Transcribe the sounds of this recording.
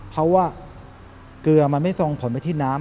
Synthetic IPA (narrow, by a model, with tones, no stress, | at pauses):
kʰa˦˥wːaː˥˩ | kɯ˧ɐma˧nma˥˩jso˧ŋpʰo˩˦npa˧jt̪ʰiː˥˩naː˦˥